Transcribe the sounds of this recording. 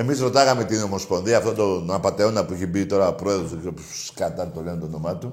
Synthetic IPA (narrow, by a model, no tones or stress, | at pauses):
e̞mizɾo̞t̪ɐɣɐme̞t̪ino̞mo̞spo̞nðiɐft̪o̞ndt̪onɐpɐt̪eo̞nd̪ɐpuiçebit̪o̞ɾɐopɾoeðɾosikopusskɐt̪ɐt̪oleont̪ono̞mɐt̪u